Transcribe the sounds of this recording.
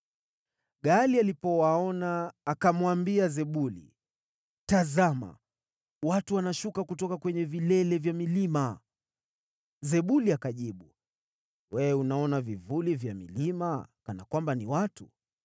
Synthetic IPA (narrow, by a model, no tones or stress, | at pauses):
ɠalialipɔwaɔnaːkamwambiazɛɓulḭ | tazama̰ | watuwanaʃukakutɔkakwɛɲɛvilɛlɛvjamilima | zɛɓuliakaʄiɓu | wɛɛunaɔnavivulivjamḭlimakanakwambaniwatu